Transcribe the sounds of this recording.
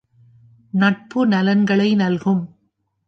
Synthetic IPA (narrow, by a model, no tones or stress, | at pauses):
nɐʈ̚pɯnɐlɐnɡɐɭɐɪnɐlɣɯm